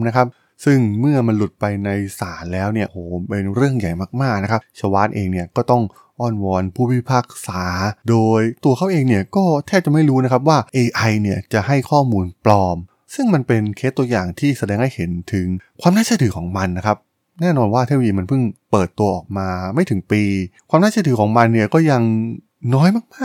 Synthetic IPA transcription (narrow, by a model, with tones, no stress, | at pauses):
na˦˥kʰa˦˥p̚ | sɯ˥˩ŋmɯ˥˩ɐma˧nlu˨˩t̪̚pa˧jna˧jsaː˩˦nlɛː˦˥wni˥˩ɐʔoː˩˦pe˧nɾɯ˥˩əŋja˨˩jmaː˥˩k̚maː˥˩k̚na˦˥kʰa˦˥p̚t͡ɕʰa˧waː˦˥t̪̚ʔeː˧ŋni˥˩ɐkɔː˥˩t̪ɔ˥˩ŋ | ʔɔː˥˩nwɔː˧npʰuː˥˩pʰiː˦˥˩pʰaː˥˩k̚saː˩˦doː˧jt̪u˧ɐkʰa˦˥wʔeː˧ŋni˥˩ɐkɔː˥˩t̪ʰɛː˥˩t͡ɕa˨˩ma˥˩jɾuː˦˥na˦˥kʰa˦˥p̬̚waː˥˩ʔeː˧ʔa˧jni˥˩ɐt͡ɕa˨˩ɦa˥˩jkʰɔː˥˩muː˧nplɔː˧m | sɯ˥˩ŋma˧npe˧nkʰe˦˥t̪ːu˧ɐjaː˨˩ŋt̪ʰiː˥˩sa˧dɛː˧ŋha˥˩jhe˨˩˦nt̪ʰɯ˩˦ŋkʰwaː˧mnaː˥˩t͡ɕa˥˩t̪ʰɯː˩˦kʰɔː˩˦ŋma˧nːa˦˥kʰa˦˥p̚ | nɛː˥˩nɔː˧nwaː˥˩t̪ʰa˥˩wiː˧ma˧npʰɯ˥˩ŋpɤː˨˩t̪ːu˧ɐʔɔː˨˩k̚maː˧ma˥˩jt̪ʰɯ˩˦ŋpiː˧kʰwaː˧mnaː˥˩t͡ɕʰa˥˩t̪ɯː˩˦kʰɔː˩˦ŋma˧nːi˥˩ɐkɔː˥˩ja˧ŋ | nɔː˦˥jmaː˥˩k̚maː˥˩